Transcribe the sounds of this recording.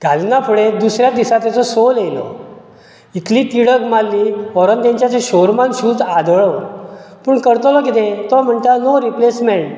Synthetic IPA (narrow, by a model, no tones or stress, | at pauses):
ɡʱalnapʰuɽed̪usɾjad̪isat̪jat͡sɔsolelɔ̰ | it̪liːt̪iɽəɡmalːiɔɾənt̪jãɲt͡ɕjat͡seɕoɾmanɕuːd͡zad̪ɭɔpuːɳkəɾt̪lɔkit̪ẽt̪ɔm̤əɳt̪anoɾiplesmeɳʈ